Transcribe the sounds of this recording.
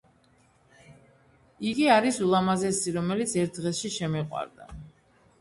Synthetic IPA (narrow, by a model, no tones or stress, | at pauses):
iɡiaɾisulˠamazɛsiɾɔmɛlit̪sʰɛɾt̪̚ʰd̪ʁɛsʃiʃɛmiqʼwa̰ɾd̪a̰